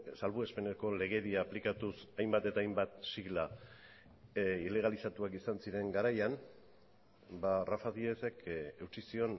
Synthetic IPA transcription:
salβue̞spe̞neko̞le̞ɣ̞e̞ðiaːplikat̪usajmbat̪e̞t̪aːjmbat̪siɣla | ile̞ɣ̞alisat̪uakisansiɾe̞ŋɡaɾajan | barafaðiesekʰe̞wt͡ʃisio̞n

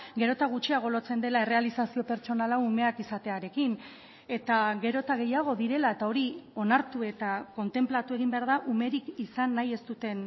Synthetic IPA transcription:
ɡe̞ɾo̞t̪aɣ̞ut͡ʃiaɣ̞o̞lo̞t͡se̞nd̪e̞lae̞re̞alisasio̞pe̞ɾt͡ʃo̞nalaume̞akisat̪e̞aɾe̞kin | e̞t̪aɣe̞ɾo̞t̪aɣ̞e̞jaɣ̞o̞ðiɾe̞lae̞t̪ao̞ɾio̞naɾt̪ue̞t̪ako̞nt̪e̞mplat̪ue̞ɣ̞imbeaɾðaʔume̞ɾikisanːaje̞st̪ut̪e̞n

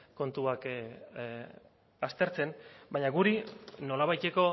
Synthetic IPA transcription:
ko̞nt̪uak | ast̪e̞ɾt͡se̞nbajɲaɡuɾino̞laβajt̪e̞ko̞

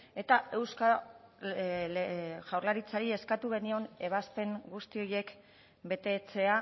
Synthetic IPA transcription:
e̞t̪ae̞wska | ʝawɾlaɾit͡saɾie̞skat̪uɣ̞e̞nio̞ne̞β̞aspe̞ŋɡust̪io̞je̞k | be̞t̪e̞t͡se̞a

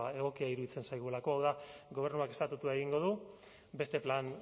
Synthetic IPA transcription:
ae̞ɣo̞kiaiɾuðit͡se̞nsajɣulako̞awðaɡo̞β̞e̞ɾnuake̞st̪at̪ut̪uaeɣiŋɡo̞ð̞u | be̞st̪e̞plan

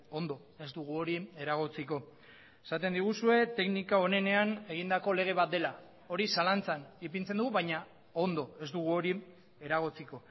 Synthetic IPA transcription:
o̞nd̪o̞ | e̞zd̪uɣ̞uo̞ɾieɾaɣ̞ot͡siko̞ | esat̪e̞nd̪iɣ̞usue̞t̪e̞knikao̞ne̞ne̞ane̞ɣ̞ind̪ako̞le̞ɣ̞e̞βat̪̚d̪e̞la | o̞ɾisalant͡sanip̬int͡se̞nd̪uɣuβajɲa | o̞nd̪o̞e̞zd̪uɣ̞uo̞ɾi | e̞ɾaɣ̞ot͡siko̞

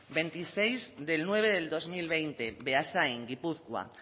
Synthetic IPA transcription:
be̞nt̪ise̞jzðe̞lnwe̞β̞eðe̞ld̪o̞zmilβ̞e̞jnt̪e̞βeasajŋɡipuθkwa̰

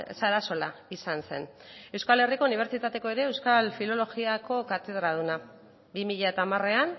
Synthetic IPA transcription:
saɾaso̞laisanse̞ne̞wskale̞riko̞uniβ̞e̞ɾt͡sit̪at̪e̞ko̞e̞ɾe̞ːwskalfilo̞lo̞ɣiako̞kat̪e̞ð̞ɾaðuna | bimiʎae̞t̪aːmare̞an

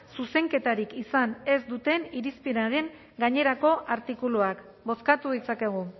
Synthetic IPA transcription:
suse̞ŋke̞t̪aɾikisane̞zd̪ut̪e̞niɾispiɾaɾe̞ŋ | ɡaɲe̞ɾako̞ʔaɾt̪ikuluak | bo̞skat̪uðit͡sake̞ɣ̞u

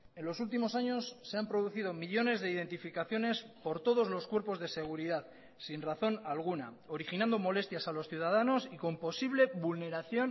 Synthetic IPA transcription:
e̞nlo̞sult̪imo̞saɲo̞sːe̞ampɾo̞ð̞uθið̞o̞miʎo̞ne̞zðe̞ið̞e̞nt̪ifikaθjo̞ne̞spo̞ɾt̪o̞ð̞o̞zlo̞skwe̞ɾpo̞zðe̞se̞ɣ̞uɾiðað | sinraθo̞nalɣ̞una̰ | o̞ɾixinãnd̪o̞mo̞le̞st̪jasalo̞sθjuð̞aðano̞siko̞mpo̞siβle̞βulne̞ɾaθjo̞n

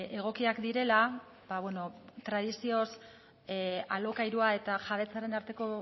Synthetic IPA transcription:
e̞ɣ̞o̞kiakd̪iɾe̞la | baβweno̞t̪ɾað̞isio̞s | alo̞kajɾuae̞t̪aʝaβ̞e̞t͡saɾe̞naɾt̪e̞ko̞

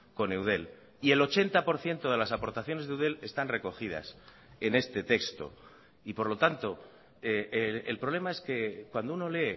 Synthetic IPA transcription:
ko̞ne̞wð̞e̞l | ie̞lo̞t͡ʃe̞nt̪apo̞ɾθje̞nt̪o̞ð̞e̞lasapo̞ɾt̪aθjo̞nezðeuðe̞le̞st̪anre̞ko̞xið̞a̰s | e̞ne̞st̪e̞t̪e̞kst̪o̞̰ | ipo̞ɾlo̞t̪ant̪o̞ | eelpɾoβle̞mae̞ske̞kwand̪ouno̞le̞ː

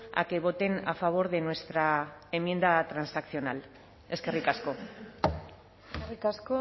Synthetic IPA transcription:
a̰ke̞β̞o̞t̪e̞na̰faβ̞o̞ɾðe̞nwe̞st̪ɾaemje̞nd̪at̪ɾansakθio̞nal | e̞ske̞rikasko̞ | serikasko

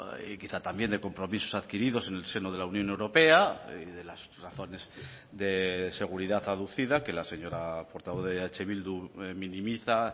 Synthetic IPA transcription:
kiθat̪ambje̞nd̪e̞ko̞mpɾo̞miso̞saðkiɾiðo̞se̞ne̞lse̞noð̞e̞launjone̞wɾo̞pe̞aiðe̞lasraθo̞ne̞z | d̪e̞se̞ɣ̞uɾiðaθaðuθiðake̞lase̞ɲo̞ɾapo̞ɾt̪aβoððeat͡ʃe̞βild̪umĩnĩmiθa

